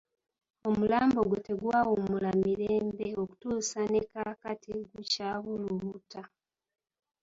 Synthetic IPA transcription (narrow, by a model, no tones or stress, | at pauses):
o̞mulaːmbo̞ɡute̞ɡwawomulamiɾeːmbe̞o̞ku̥tuːsanekakatiɡucaɣuluβuta